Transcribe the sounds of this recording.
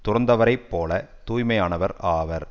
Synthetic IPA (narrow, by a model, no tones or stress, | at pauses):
t̪ʊrɐnd̪ɐʋɐɾɐɪpːoːlɐt̪uːjmɐjaːnɐʋɐɾaːʋɐɾ